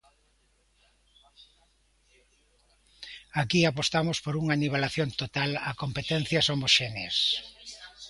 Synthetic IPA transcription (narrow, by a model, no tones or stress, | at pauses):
akiapost̪amospoɾuŋaniβalaθjont̪ot̪alɐkompet̪ɛn̟θjɐsomoʃeneas